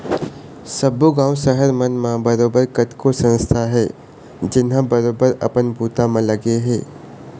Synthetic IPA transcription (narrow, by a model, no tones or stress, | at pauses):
sɐbːuɡãːwʃəɦəɾmɐnmãbɐɾoːbəɾkɐt̪kosə̃nst̪ʰaɦɛː | d͡ʒɪnɦãbɐɾoːbəɾɐ̰pənbʱuːt̪amãlɐɡeɦɛ̃ː